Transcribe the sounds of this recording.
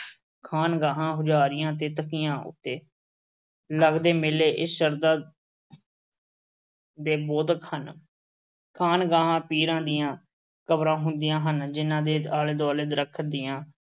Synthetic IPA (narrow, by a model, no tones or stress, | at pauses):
kʰaːnɡaːɦãːɦʊd͡ʒaːɾɪjãːt̪̬eːt̪əkijãːʔʊ̰t̪ːeː | ləɡd̪eːmɪleːʔɪsʃəɾd̪aː | d̪eːboːd̪əkhən | kʰaːnɡaːɦãːpiːɾãːd̪ijãː | kəbɾãːɦʊ̃nd̪ɪjãːɦənd͡ʒɪnːãːd̪eːd̪aːleːd̪oːleːd̪ɾəkʰd̪ijãː